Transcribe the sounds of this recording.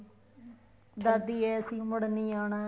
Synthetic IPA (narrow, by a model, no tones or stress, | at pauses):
d̪ad̪iːɛːəsĩːməɽniːaːnaː